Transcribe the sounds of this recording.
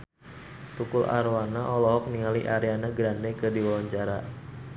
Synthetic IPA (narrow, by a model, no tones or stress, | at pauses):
t̪ukʊlʔa̰ɾwanaʔɔlɔɦɔk̚niŋalḭʔaɾeanaɡɾandɛkədiwawaɲt͡ʃaɾa